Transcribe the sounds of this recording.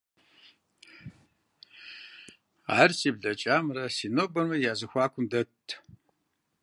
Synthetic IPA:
aːrsiːbɮɐt͡ʃʼaːmrɐsiːnoːbɐnmɐjaːzɨxʷaːkʷʰʼʊmdɐtʰ

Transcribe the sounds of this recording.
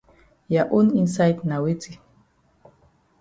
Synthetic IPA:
jaʔuninsajt̪nawit͡si

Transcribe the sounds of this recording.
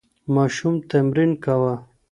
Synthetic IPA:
maːʃumt̪amɾinkawa

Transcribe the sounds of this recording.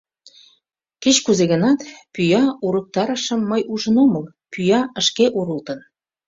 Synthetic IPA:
ket͡ɕkuzeɣənɑt̪pyjɑuɾək̚t̪ɑɾəʃə̆mːəjuʒənoməl | pyjɑə̆ʃkeʔuɾəlt̪ən

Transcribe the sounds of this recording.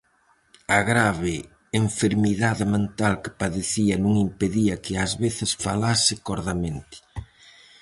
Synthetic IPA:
aɣɾaβɪː | ɱfeɾmiðaðɪmẽnt̪alkɪ̥paðeθiɐnũŋimpeðiɐkɪazβeθɪsfalasɪkɔɾðamẽnt̪ɪ̥

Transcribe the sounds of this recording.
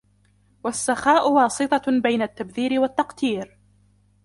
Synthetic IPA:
wasːaxaːʔʊwɑːsˤɨt̪ˤɑbajnat̪ːabθiːɾɪwat̪ːɑqt̪iːɾ

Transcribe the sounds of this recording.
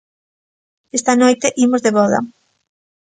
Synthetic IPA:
est̪ɐnojt̪eʔimozðeβɔðɐ̰

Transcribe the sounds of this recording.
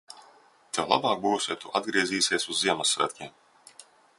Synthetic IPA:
t̪ɛwlˠa̰bɑːk̚buːsʲiɛt̪uʔad̪ɡɾiɛziːseɛsuzːiɛmasæ̰t̪ʲkʲim

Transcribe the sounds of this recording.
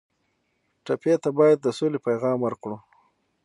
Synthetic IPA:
ʈapet̪abɑjad̪̚ːəsolepajɣɑmwəɾkɽu

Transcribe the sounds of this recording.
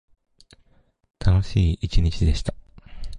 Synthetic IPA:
t̪ʰano̞ɕiːit͡ɕiɲ̟it͡ɕid̪e̞ɕi̥t̪ḁ

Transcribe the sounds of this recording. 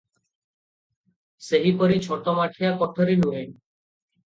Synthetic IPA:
seɦipɔɾit͡ɕʰɔʈɔmaʈʰijakɔʈʰɔɾinuɦe

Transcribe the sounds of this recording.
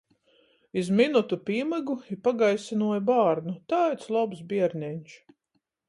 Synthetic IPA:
izminut̪upʲiːmɨɡuipaɡajsinuɔjbaːɾnut̪aːjt̪slˠɔbsbʲiɛɾnʲɛɲʲt͡ʃ

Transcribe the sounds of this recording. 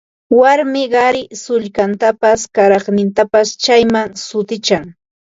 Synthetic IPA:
waɾmɪɢɑɾɪsʊʎkant̪apaskaɾɑχnɪnt̪apast͡ʃajmaŋsʊt̪ɪt͡ʃaŋ

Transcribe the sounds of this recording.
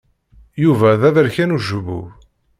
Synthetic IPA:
juvæðæðəɾçænuʒəβṵ

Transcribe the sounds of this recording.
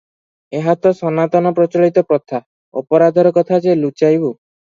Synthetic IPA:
eɦat̪ɔsɔnat̪ɔnɔpɾɔt͡ʃɔɭit̪ɔpɾɔt̪ʰa | ɔpɔɾad̪ʱɔɾɔkɔt̪ʰad͡ʒelut͡ʃajbu

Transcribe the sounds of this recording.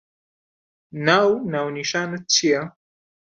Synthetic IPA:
nawnawniʃanət͡sia

